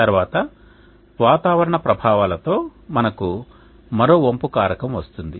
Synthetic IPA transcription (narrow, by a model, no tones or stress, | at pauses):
tɐɾʋaːt̪ɐ | ʋaːt̪aːʋɐɾɐɳɐpɾɐbʱaːʋaːlɐt̪o̞ːmɐnɐku | mɐɾo̞ːompukaːɾɐkɐmʋɐst̪und̪i